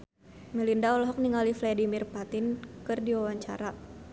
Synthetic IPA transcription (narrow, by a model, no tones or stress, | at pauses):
mɛlindaɔlɔɦɔk̚niŋalifladimirpat̪ɪnkɨrdiwawaɲt͡ʃa̰ɾa